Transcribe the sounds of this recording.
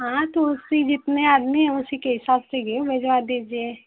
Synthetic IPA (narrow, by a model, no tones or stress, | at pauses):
ɦãːt̪oʊsid͡ʒɪt̪neaːd̪miɦɛ̃ʊsikeɦɪsaːbseɡebed͡ʒʋad̪iːd͡ʒie